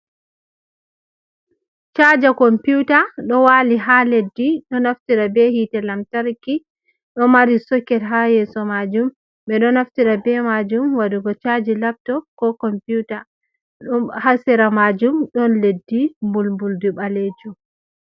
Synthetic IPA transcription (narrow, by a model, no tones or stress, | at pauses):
t͡ʃad͡ʒakɔmputaɗɔwaliɦaledːiɗɔnaftiɾabɛhitɛlamtaɾki | ɗɔmaɾisɔkːɛɾɦajɛsɔmad͡ʒum | ɓɛɗɔnaftiɾabɛmad͡ʒumwaduɡɔt͡ʃad͡ʒilap̚tɔkɔkɔmpjuta | ɗɔhasiɾamad͡ʒumɗɔnledːimbulmbulduɓaled͡ʒum